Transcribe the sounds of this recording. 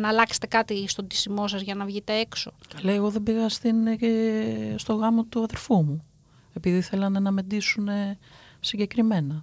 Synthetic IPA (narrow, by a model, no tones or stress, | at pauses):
nɐːlɐkse̥t̪e̞kɐt̪ist̪od̪isimo̞sɐzʝɐnɐvʝit̪e̞ekso̞kɐlɐeɣo̞ðe̞biɣɐst̪in | st̪o̞ɣɐmo̞t̪uɐðe̞ɾfumu | e̞piðiθe̞lɐnɐnɐme̞d̪isune̞siɲɟe̞kɾime̞nɐ